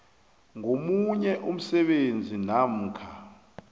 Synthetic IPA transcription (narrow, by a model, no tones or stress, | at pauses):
ŋomuɲɛʔum̩sɛɓend͡zʱinam̩ːkʰa